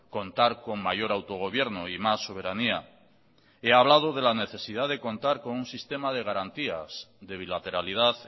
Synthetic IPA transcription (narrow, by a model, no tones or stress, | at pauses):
ko̞nt̪aɾko̞ŋmaʝo̞ɾawt̪o̞ɣ̞o̞β̞je̞ɾnoimasːo̞β̞e̞ɾania | e̞aβ̞lað̞o̞ðe̞lane̞θe̞sið̞aðe̞ko̞nt̪aɾko̞nunsist̪e̞mað̞e̞ɣ̞aɾant̪ia̰sðe̞β̞ilat̪e̞ɾalið̞aθ